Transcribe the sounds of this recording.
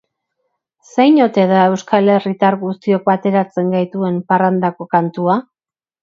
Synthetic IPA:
sejɲo̞t̪e̞ðae̞wskale̞rit̪aɾɣust̪io̞k̚bat̪e̞ɾat͡se̞ŋɡajt̪ue̞mparand̪ako̞kant̪ua

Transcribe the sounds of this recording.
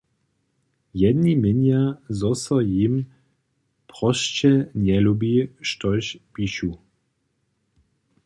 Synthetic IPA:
jɛd̪nimɪnjazɔsɔjim | pʁɔʃt͡ʃɛnjɛlubiʃtɔʃpiʃu

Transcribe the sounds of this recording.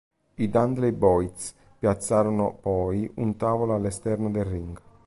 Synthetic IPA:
id̪and̪lejbɔjt̪s | pjat̪sːaːɾonʊpɔjunt̪aːvolaalːɛst̪ɛrnod̪erːiŋɡ

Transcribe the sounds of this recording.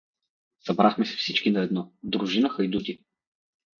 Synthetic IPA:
sɐbɾaxmɛsɛ̥fsit͡ʃkinɐɛd̪nɔd̪ɾuʒinəxɐjd̪ut̪ʲi

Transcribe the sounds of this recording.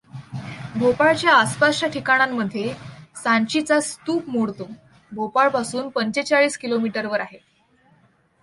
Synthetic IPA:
bʱopaɭt͡ɕjaːspaʂʈjaʈʰikaɽ̃amːəd̪ʱjesãnɕit͡sast̪uːpmoɽt̪o | bʱopaɭpasuːnpəɲt͡ɕet͡ɕaɭiːskilomiʈəɾʋəɾaɦe

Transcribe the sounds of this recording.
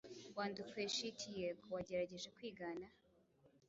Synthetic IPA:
waːndukweʃitʰijeɡwaɟe̞ɾaɟe̞ʒe̞kwiːɡaːna

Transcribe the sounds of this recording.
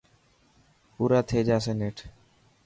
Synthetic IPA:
uːɾat̪ʰeːd͡ʒaːs̬eːneːʈʰ

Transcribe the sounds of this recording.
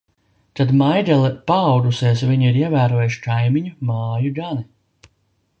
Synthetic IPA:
t̪ad̪majd̪ɛlˠɛpaːwd̪usiɛsviɲuiɾiɛvæːɾuɔjuʃi̥kajmiɲumaːjuɡani

